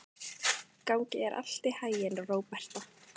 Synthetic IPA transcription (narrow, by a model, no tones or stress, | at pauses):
kawŋcɪɛɾʔa̰l̥t̪ɪhaːjɪnroːwpɛr̥t̪ɔ